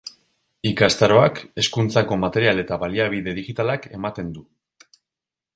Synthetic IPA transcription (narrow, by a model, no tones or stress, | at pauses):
ikast̪aɾo̞ake̞skunt͡sako̞mat̪e̞ɾiale̞t̪aβaliaβ̞iðe̞ð̞iɣit̪alake̞mat̪e̞nd̪u